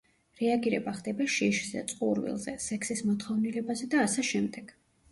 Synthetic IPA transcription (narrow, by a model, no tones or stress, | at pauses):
ɾɛaɡiɾɛbaχd̪ɛbaʃiʃzɛ̰t̪sʼqʼuɾvḭlˠzɛsɛkʰsismɔt̪χɔvnilɛbazɛd̪aːsɛʃɛmd̪ɛɡ̥